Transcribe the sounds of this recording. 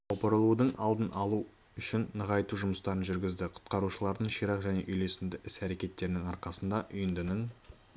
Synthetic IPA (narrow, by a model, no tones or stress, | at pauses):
ɑwpəɾlˠud̪əɴɑlˠd̪ənɑlˠu | ʏʃɪnːəʁɑjt̪uʒʊməst̪ɑɾənʒʏɾɡʲɪzd̪ɪqʰʊ̥t̪̚qɑɾuʃəlˠɑɾd̪əɴʃijɾɑqʒæne̞̰ʔʏjle̞sɪnd̪ɪʔɪsæɾe̞kʲe̞t̪ːe̞ɾɪnɪŋɑɾqɑsənd̪ɑʔʏjɪnd̪ɪnɪŋ